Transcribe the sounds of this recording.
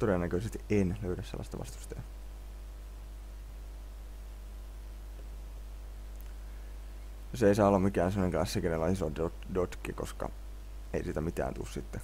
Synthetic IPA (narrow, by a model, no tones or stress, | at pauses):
t̪oɾenːækøiset̪enløyɾæsḛlːɑst̪ɑ̰ʋɑ̰st̪u̥st̪ɑjɑ | joseisɑːolːɑmikæːnsemːoneŋklɑsːikenelːɑisod | dot̪kiko̞skɑ̰ | eisiːt̪æmit̪æ̰ːnt̪ṵsit̪ːe